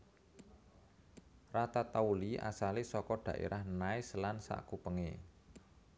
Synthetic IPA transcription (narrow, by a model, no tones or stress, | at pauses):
rat̪at̪auliʔa̰salesɔkɔɖ̪̥ä̤ʔḛɾʔahnaeslansa̰ʔkupəŋḛ